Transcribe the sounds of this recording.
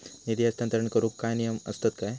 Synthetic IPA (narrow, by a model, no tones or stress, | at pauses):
nid̪ijɐst̪ʰɐnt̪ɾɐɳkɐɾukkːajnijɐmɐ̰st̪ɐt̪kaj